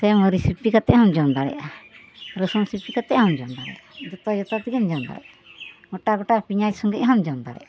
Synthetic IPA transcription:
t̪ɛməɾisipikat̪ɛʔɦɔmd͡ʒɔnd̪aɾɛ̰ʔa | ɾəsɔnsipikat̪ɛʔhɔmd͡ʒɔnd̪aɾɛ̰jʔad͡ʒɔt̪ɔjɔt̪at̪iɡɛnd͡ʒɔnd̪a̰ɾɛ̰a | ɡɔʈaɡɔʈapiɲajsɔŋɡɛʔɦamd͡ʒɔnd̪a̰ɾɛ̰ʔa

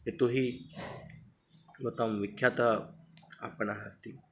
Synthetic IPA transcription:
et̪oɦiː | mət̪amʋikʰːjat̪ə | a̰pəɳaɦəst̪i

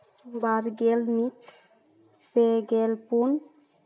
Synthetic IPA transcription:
baɾɡelmit̪ | peɡelpun

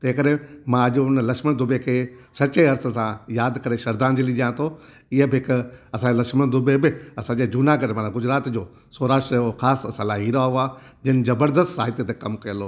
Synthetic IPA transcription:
t̪ɐ̃ɦɪ̃kəɾemãɐʄʊnlɐkʃməɽ̃d̪ʊbekʰeːsɐt͡ɕeɐɾsə̆sãjaːd̪kɐɾeʃɐɾd̪ãːnd͡ʑiliʄijãt̪ʰo | ɪɦəbɪɦɪkɐsãɲd͡ʑelɐkʃməɽ̃d̪ʊbebɪɐsãːɲd͡ʑed͡ʑuːnaɡɐɾemaːnãɡʊd͡ʑɾaːt̪d͡ʑoː | soːɾaːʃʈɾəjoxaːssɐlaːɦiɾaɦuaː | d͡ʑɪnɪ̆zɐbəɾd̪əst̪saːɦɪt̪jet̪ẽkɐmkɐjəloː

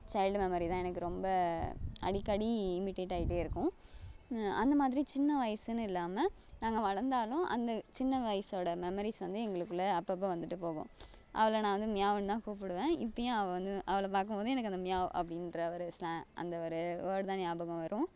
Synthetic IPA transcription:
t͡ʃɐɪlɖmɛmɐɾit̪ãːɛnɐkːɯɾɔmbɐɐ̰ɽɪkːɐɽiɪmɪʈeːʈːaːjɪʈ̬ːeːɪɾɯkːʊ̃ | ɐ̰nd̪ɐmaːðɪɾit͡ʃɪnːɐʋɐjɐsɯnɯ̃ɪlːaːmɐ | nãːŋɡɐʋɐɻɐɾnd̪aːlʊ̃ʔɐ̰nd̪ɐt͡ʃɪnːɐʋɐjɐsoːɽɐmɛmɐɾisʋɐnd̪ɯɛŋɡɐɭɯkːɯlːɐːpːɐpːõʋɐnd̪ɯʈːɯpoːɣʊ̰̃ʔɐ̰ʋɐɭɐnãːʋɐnd̪ɯmɪjaːʋɐnt̪ãːkuːpɪɽɯʋẽːɪpːɐjõːɐʋɛ̃ʋɐnd̪ɯʔɐʋɐɭɐp̬aːɾkɯmboːðɯɛnɐkːɐnd̪ɐmɪjaːʋʔɐ̰pːɐɽɪnɾɐʋɐɾɯslãʔɐ̰nd̪ɐʋɐɾɯʋoːɽt̪aːnaːbɐɣɐ̃ʋɐɾʔʊ̃

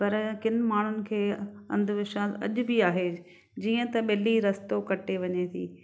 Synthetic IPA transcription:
pɐɾkɪnɪ̆maːɳ̤ʊnɪ̆kʰeːɐ̰̃nd̪ʱʊʋɪʃaɐ̰ʄʊ̆bɪaːɦe | d͡ʑiːə̃t̪ɐɓɪliɾɐst̪okɐʈʰeʋɐɲet̪ʰḭː

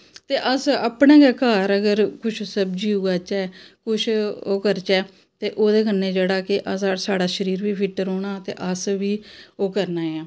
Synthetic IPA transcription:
t̪eːʔəsaːpɳẽːɡɛːkaːɾəɡəɾkʊt͡ʃʰsəbd͡ʒiːuːɡaːt͡ʃɛːkʊt͡ʃʰoːkəɾt͡ʃɛː | t̪eːʔoːd̪eːkənːeːd͡ʒeːɽaːkɪʔəssaːɽaːʃəɾiːɾʋiːpʰɪʈːəɾɦoːɳaːt̪ḛːʔəsʋiːoːkəɾnaːeaː

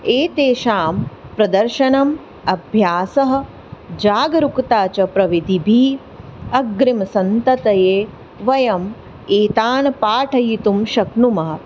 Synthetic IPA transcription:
eːt̪eːʃaːmpɾɐd̪ɐɾʃɐnɐm | ɐbʱjaːsɐɦɐ̆ | d͡ʒaːɡɐɾukt̪aːt͡ʃɐpɾɐʋid̪ibʱiː | ɐɡɾimsɐnt̪ɐt̪ɐjeː | ʋɐjɐm | eːt̪aːnɐpaːʈʰɐjit̪umʃɐknumɐɦɐ

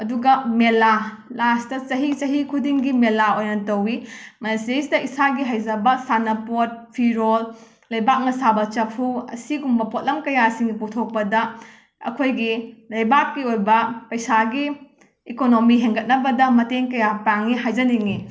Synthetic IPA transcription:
ɐduɡɐmela | lastɐt͡ʃɐɦit͡ʃɐɦikʰudiŋɡimelaojnɐtɐwimɐnsestɐisaɡiɦajd͡ʒɐbɐsanɐpot̚pʰiɾol | lɐjbak̚nɐsabɐt͡ʃɐpʰuɐ̰siɡumbɐpot̚lɐmkɐjasiŋiputʰok̚pɐdɐ | ɐ̰kʰojɡilɐjbak̚kːiojbɐpɐjsaɡiː | konomiɦeŋɡɐt̚nɐbɐdɐmɐteŋkɐjapaŋiɦajd͡ʒɐniŋi

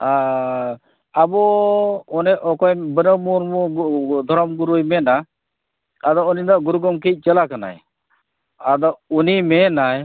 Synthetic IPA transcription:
a | abɔ | ɔnɛʔɔkɔjbənəmuɾmɔd̪ʱɔɾɔmɡuɾujmɛna | ad̪ɔuninaʔɡuɾuɡɔmkic̚ˀt͡ʃəlakana̰j | ad̪ɔunimɛnaj

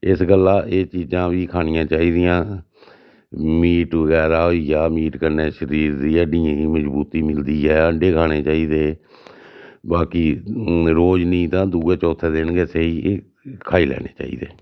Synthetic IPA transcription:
ɪsɡəlːaːʔeːt͡ʃiːd͡ʒãːʋiːkʰaːnɪjãːt͡ʃaːiːd̪ɪjãː | miːʈʋəɡɛːɾaːɦoijaːmiːʈkəɾneːʃəɾiːɾd̪iːəɖɪːãːiːməd͡ʒbuːt̪iːmɪld̪iːɦɛːəɳɖeːkʰaːɽ̃eːt͡ʃaːiːd̪eː | baːkiːɾoːd͡ʒnĩːt̪ãːd̪uːeːt͡ʃɔːt̪ʰeːd̪ɪnɡeseːiː | kʰaːiːlɛ̰ːnḛːt͡ʃa̰ːḭːd̪eː

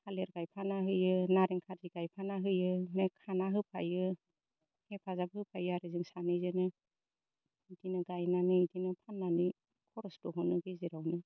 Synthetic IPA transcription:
kʰaleɾɡajpʰanaɦɯjɯnaɾeŋkʰaɾziɡajpʰanaɦɯjɯnekʰanaɦɯpʰa̰jɯ | hepʰazabhɯpʰajɯaɾɯzɯŋsanɯjzɯnɯ | idinɯɡajnanɯidinɯpʰanːanɯ | kʰɔɾɔsdɔɦɔnɯɡeziɾawnɯ

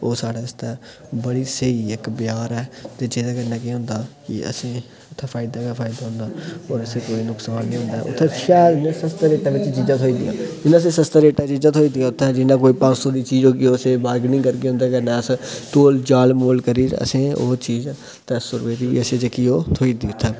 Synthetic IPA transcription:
oːsaːɽaːst̪ɛː | bəɽiːsəiːɪkbɪjaːɾɛːt̪eːd͡ʒeːd̪aːkəɾnãːkɪɦʊ̃nd̪aːkɪ̰ə̰sĩː | ʊt̪ʰːɛ̃ːpʰaːɪd̪aːkaːpʰaːɪd̪aːɦʊ̃nd̪aːɔːɾəseːkoːiːnʊksaːnːĩːɦʊ̃nd̪aːʊ̰t̪ʰːʃaːd̪nãːsəst̪ɾeːʈãːʋɪt͡ʃd͡ʒid͡ʒaːt̪ʰoːiːd̪ɪ̰ja̰ːd͡ʒɪnãːs̬eːsəst̪ːɾeːʈaːd͡ʒid͡ʒaːt̪ʰoːiːd̪ɪijaːʊt̪ʰːɛ̃d͡ʒɪnãːkoːiːpãːt͡ʃsoːd̪iːt͡ʃiːd͡ʒoːkɪoːseːbaːɾɡnɪ̃ŋkəɾkeːɦʊ̃nd̪aːkəɾnɛːəst̪oːld͡ʒaːlmoːlkəɾiːɾə̰sĩːoːt͡ʃiːz | t̪ɛsʊɾʋeːt̪iːʋḭːəsẽːt͡ʃekioːt̪ʰoːiːd̪iːʊt̪ʰːɛː

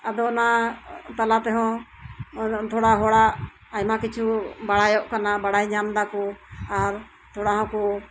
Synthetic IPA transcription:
ad̪ɔnat̪alat̪ɛɦɔ̃ | t̪ʰɔɽaɦɔɽaʔ | ajmakit͡ʃʰubaɽajɔʔkanabaɽajɲamd̪akɔaɾ | t̪ʰɔɽaɦɔ̃kɔ

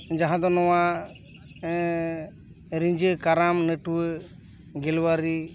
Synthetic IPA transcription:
d͡ʒaɦãd̪ɔnɔwa | ɾiɲd͡ʒɨkaɾamnəʈwə | ɡɛlwaɾi

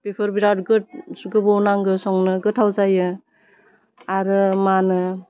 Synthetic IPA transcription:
b̥ipʰɯɾbiɾawt̚ɡɯt̚sɡɯbɔwnaŋɡɯsɔŋnɯɡɯtʰawzajɯ | aɾɯmanɯ

